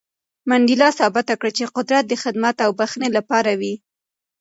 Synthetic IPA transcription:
maɳɖilɑsɑbɪt̪akɽat͡ʃeqʊd̪ɾat̪̚d̪əxɪd̪mat̪awbaxnelapɑɾawi

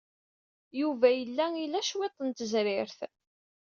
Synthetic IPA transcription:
juvæjəlːæilæʃwet̪ˤːənt̪əzɾɪɾθ

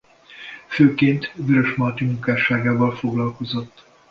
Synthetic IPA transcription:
føːkeːnt̪vøɾøʃmɒt̪imuŋkaːʃaːɡaːvɒlfo̞ɡlɒlko̞zo̞t̪ː

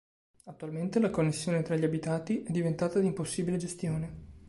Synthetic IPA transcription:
at̪ːualment̪elakonːesːjoːnet̪ɾaʎːiabit̪aːt̪iʔɛd̪ːivent̪aːt̪ad̪imposːiːbiled͡ʒest̪joːne

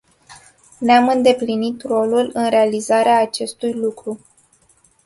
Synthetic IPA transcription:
neamɨnd̪e̞plinit̪ro̞lulɨnɾealizaɾeaːt͡ʃe̞st̪ujlukɾu

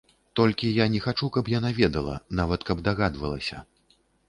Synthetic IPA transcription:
t̪ɔlʲkʲijanʲɛxat͡ʂukɐpjanavʲɛd̪ɐlˠɐ̰navɐt̪kɐbd̪aɣad̪vɐlˠɐ̰sʲɐ̰

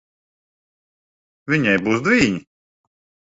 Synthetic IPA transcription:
vʲiɲajbuːsd̪vʲiːɲʲi

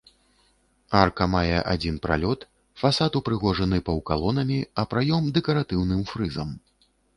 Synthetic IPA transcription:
arkɐmajɛʔa̰d͡zʲin̪pɾa̰lʲɔt̪ | fasat̪upɾɨɣɔʐɐnɨpɐwkalˠɔnɐmʲiɐpɾajɔmd̪ɛkɐɾat̪ɨwn̪ɨmfɾɨzɐm

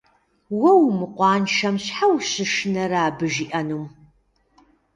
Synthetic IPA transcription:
wɐwmɨqʷɑːnʃɐmɕħawɕɨʂɨnɐɾaːbɨʒiːʔɐnuːm

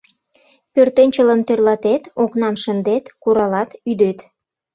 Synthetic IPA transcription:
pørt̪enʲt͡ɕələnt̪ørlɑt̪et̪oknɑmʃənd̪et̪kuɾɑlɑt̪yd̪et̪

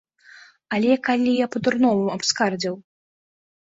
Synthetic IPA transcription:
alʲɛkalʲijapɐd̪urnɔmuɐpskard͡zʲiw

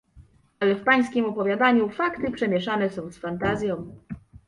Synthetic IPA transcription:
alɛfpaj̃skʲimɔpɔvʲjad̪aɲufakt̪ɘpʂɛmʲjɛʂanɛsɔ̃w̃sfant̪azʲjɔ̃w̃

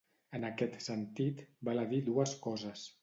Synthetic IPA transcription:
ənakɛt̪sənt̪it̪baləðid̪uəskɔzəs

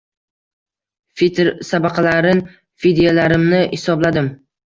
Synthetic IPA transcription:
fit̪ɾsabaqʰɑlaɾɪn | fid̪ijalaɾɪmnɪhɪsɒblad̪ɪm

